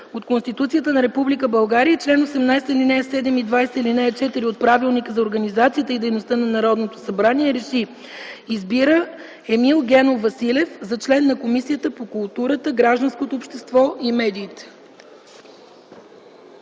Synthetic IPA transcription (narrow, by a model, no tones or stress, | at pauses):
ot̪konst̪it̪ut̪sijət̪ənɐɾɛpublikəbɐlˠɡaɾijət͡ʃlɛnosɛmnajst̪əilinɛsɛd̪ɛmid̪vajsɛilinɛɛt͡ʃɛt̪iɾiot̪̚pɾavilˠnikəzɐoɾɡənizat̪siət̪əid̪ɛjnost̪ənɐnɐɾɔd̪not̪osɐbɾaniɛɾɛʃi | izbiɾə | ɛmilˠɡ̟ɛnovɐsilɛfzɐt͡ʃlɛnːɐkomisijət̪əpokulˠt̪uɾət̪əɡɾaʒd̪ənskot̪oːpʃt̪ɛst̪vɔimɛd̪iːt̪ɛ̥